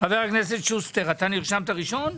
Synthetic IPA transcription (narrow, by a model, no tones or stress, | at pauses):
aveʁakne̞s̬etʃust̪eʁat̪aniʁʃamt̪aʁiʃo̞n